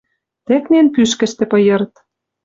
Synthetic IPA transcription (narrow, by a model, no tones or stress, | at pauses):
t̪ĕknenpyʃkɘ̆ʃt̪ĕpɤ̆jɤ̆ɾt̪